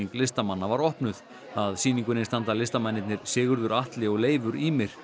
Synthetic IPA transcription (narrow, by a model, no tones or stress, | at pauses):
ŋklɪst̪amanːavaɾɔhpnʏθ | aðsiːniŋkʏnɪnst̪ant̪alɪst̪amanːɪt̪nɪɾ̥sɪːɣʏɾðʏɾaht̪lɪɔɣleːjvʏɾimɪɾ̥